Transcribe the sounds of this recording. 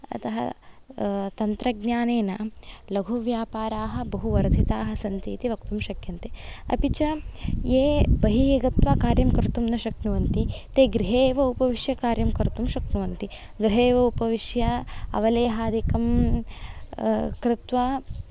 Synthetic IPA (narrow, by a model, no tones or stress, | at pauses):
ɐ̰t̪ɐɦɐ̰ | t̪ɐnt̪ɾɐɡɲaːneːnɐlɐɡʱuʋjaːpaːɾaːɦɐbɐɦuʋɐɾd̪ʱit̪aːɦɐ̆sɐnt̪eːt̪iʋɐk̚t̪umʃɐkjɐnt̪eɐ̰pit͡ʃɐjeːbɐɦijɐɡɐt̪ʋaːkaːɾjɐmkɐɾt̪umnɐʃɐknuʋɐnt̪it̪eːɡɾiɦeːʋɐupɐʋiʃjɐkaːɾjɐmkɐɾt̪umʃɐknuʋɐnt̪i | ɡɾiɦeːʋɐupɐʋiʃjɐɐ̰ʋɐleːɦaːd̪ikɐm | kɾɪt̪ʋaː